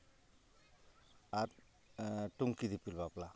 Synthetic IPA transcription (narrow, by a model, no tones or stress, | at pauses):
aɾ | ʈuŋkid̪ipilbapla